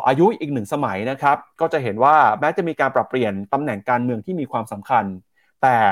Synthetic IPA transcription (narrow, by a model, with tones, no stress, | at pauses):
ʔaː˧ju˦˥ʔiː˨˩k̚nɯ˨˩ŋsa˧ma˩˦jna˦˥kʰɾa˦˥p̚kɔː˥˩t͡ɕa˨˩ɦe˩˦nwaː˥˩mɛː˦˥t͡ɕa˨˩miː˧kaː˧npɾa˨˩pːli˨˩ənt̪a˧mnɛ˨˩ŋkaː˧nmɯ˧əŋt̪ʰiː˥˩miː˧kʰwaː˧msa˩˦mkʰa˧n | t̪ɛː˨˩